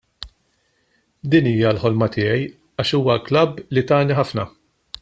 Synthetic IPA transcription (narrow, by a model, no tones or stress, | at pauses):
d̪iːniːjɐlħɔlmɐt̪ɪːjɛj | ɐːʃuːwɐklɐbːlit̪ɐːniħɐfnɐ